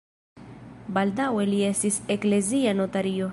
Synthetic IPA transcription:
baldawe̞lie̞stise̞kle̞ziano̞taɾio̞

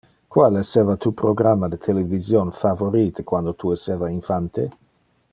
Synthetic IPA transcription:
kwaleseːvat̪uːpɾoɡɾamːad̪et̪ʰelevizjonfavoɾiːt̪ekwand̪ot̪ʰueseːvainfant̪e

